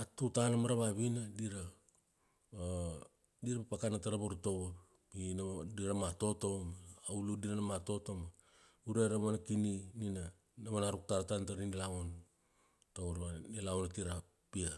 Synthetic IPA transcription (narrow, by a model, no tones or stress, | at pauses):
atutanamaɾaβaβinadiɾa | diɾapapakanataɾaβoɾuto̞βap | inadiɾamato̞to̞maːwludiɾanamato̞to̞ma | uɾeɾamanakininina | naβanaɾuk̚taɾatantaɾinilaon | tauɾβaelaonatiɾa | pia